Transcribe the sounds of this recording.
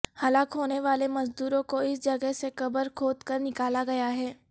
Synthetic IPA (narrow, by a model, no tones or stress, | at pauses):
hɐlaːkɦoːneʋaːlemɐzd̪uːɾõkoɪsd͡ʒɐɡəɦsekɐbəɾkʰoːt̪kɐɾnɪkaːlaɡɐjaɦɛː